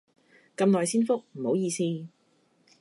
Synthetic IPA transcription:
kɐ˧mnɔː˨jsiː˥nfʊ˥k̚m̩˨˩ho˨˥wjiː˧siː˥

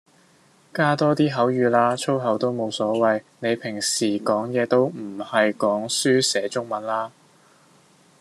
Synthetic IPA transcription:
kaː˥t̪ɔː˥t̪iː˥ɦɐ˨˥wjyː˨˧laː˥t͡ʃʰo˥wɦɐ˨˧˥wt̪o˥wmo˨˧wsɔː˨˥wɐ˨j | ne˨˧jpʰɪ˨˩ŋsiː˨˩kɔː˨˥ŋjɛː˨˧t̪o˥wm̩˨˩hɐ˨jkɔː˨˥ŋsyː˥sɛː˨˥t͡ʃʊ˥ŋmɐ˨˥nlaː˥

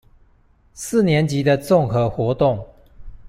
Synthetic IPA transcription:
sɹ̩˥˨njɛ˨˦nt͡ɕi˨˦d̪ə˧t͡sʊ˥˨ŋxɤ˧˦xwɔ˨˦t̪ʊ˥˨ŋ

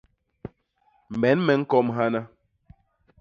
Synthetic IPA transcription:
m̩˨ɛ˨˦nmɛ˨˦ŋ̩˦kɔ˦mɦa˦na˦

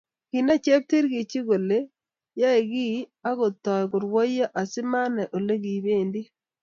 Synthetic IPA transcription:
ki˨na˦t͡ʃe˦b̚ti˦ɾɣi˨t͡ʃi˦ɣo˨le˦ | ja˦e˨ɣi˦a˦ɣo˨tɔ˨ɣo˨ɾwo˦ia˦ʔa˨si˦ma˦ne˨ʔo˨le˦ɣi˨βeː˦˨ndi˦

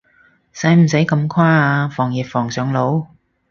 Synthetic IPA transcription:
sɐ˨˥jm̩˨˩sɐ˨˥jkɐ˨˧mkʰaː˥aː˧fɔː˨˩ŋjiː˨p̚fɔː˨˩ŋsœː˨˧˥ŋlo˨˧˥w

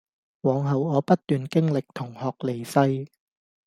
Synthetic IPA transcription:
wɔː˨˧ŋɦɐ˨wɔː˨˧pɐ˥t̚t̪yː˨nkɪ˥ŋlɪ˨k̚t̪ʰʊ˨˩ŋhɔː˨k̚le˨˩jsɐ˧j

